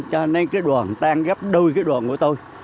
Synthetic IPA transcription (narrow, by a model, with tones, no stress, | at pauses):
t͡ɕɔ˧na˧ŋkaː˨˦jɗwa̰ː˨˩nt̪aː˧ŋɣaː˦˥p̚ɗəː˧jkaː˨˦jɗwa̰˨˧˩nku˧˩ət̪o˧j